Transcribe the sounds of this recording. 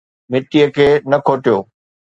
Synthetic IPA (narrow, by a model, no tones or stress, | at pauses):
mɪʈijəkʰeːnɐkʰoːʈijoː